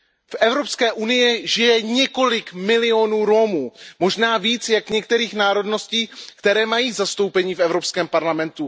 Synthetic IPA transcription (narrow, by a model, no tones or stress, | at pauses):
fʔɛvɾo̞pskɛːʔunɪjɪʒɪjɛɲɛko̞lɪkmɪlɪo̞nuːɾo̞muːmo̞ʒnaːviːt͡sjakɲɛk̚t̪ɛɾiːxnaːɾo̞dno̞sciːkt̪ɛɾɛːmajiːzast̪owpɛɲiːfɛvɾo̞pskɛːmpaɾlamɛnt̪u